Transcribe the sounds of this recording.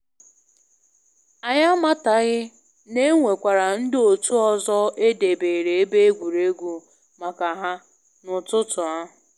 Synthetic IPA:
a˨ɲa˦ma˦ta˨ɣɪ˦ | ne˦ŋʷe˨kʷa˨ɾa˨n̩˦dɪ˦o˨tu˦ɔ˨zɔ˦e˦de˨beː˨ɾe˨e˦be˦e˦ɡʷu˨ɾe˦ɡʷu˦ | ma˨ka˨ɦa˦ | nʊ˨tʊ˦tʊ˨a˦˨

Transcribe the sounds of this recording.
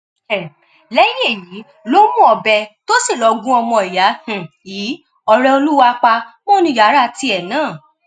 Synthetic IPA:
ɛ˨ | lɛ˦je˦˨ji˨˦ | lo˦mũ˦ɔ˧bɛ˧to˦si˦˨lɔ˧˦ɡũ˦ɔ˧mɔ̃˧i˨ja˨˦h̩˨ | iː˨˦ | ɔ˧ɾɛ˧o˧lu˦wa˧k͡pa˧mɔ̃˦nũ˧˦ja˨˦ɾa˦ti˧˦ɛ˨nãː˦˨

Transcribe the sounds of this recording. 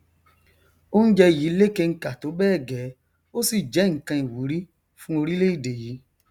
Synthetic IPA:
o˦n̩˦d͡ʒɛ˧i˨ji˨˦le˦ke˧ŋ̩˦ka˨to˨˦bɛː˦˨ɡɛ˨˦ | o˦si˦˨d͡ʒɛ˨˦ŋ̩˨kã˧i˨wu˨˦ɾi˦ | fũ˦o˧ɾi˦le˦i˦˨de˨ji˨˦

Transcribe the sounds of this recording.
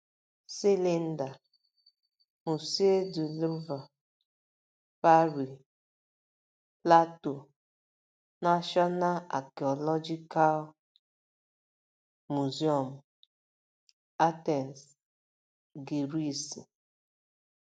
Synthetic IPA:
si˦li˦n̩˦da˨ | mu˨si˦e˦du˨lu˦va˨ | pa˦ɾi˨ | pla˦to˨ | na˦ʃɔ˦na˦la̰˨ki˨ɔ˨lɔ˦d͡ʒi˦ka˦l | mu˨zi˦ɔ˨m̩˨ | a˦tɛ˨n˨s | ɡi˨ɾi˦˨si˨

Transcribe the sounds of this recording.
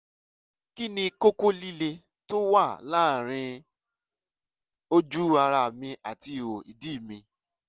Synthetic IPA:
ki˦nĩ˧ko˦ko˦li˦le˧ | to˦wa˦˨la˦˨ɾ̃ĩ˧ | o˦d͡ʒu˦a˧ɾa˧˨mĩ˧ʔa˨ti˧˨o˨ḭ˨di˦˨mĩ˧

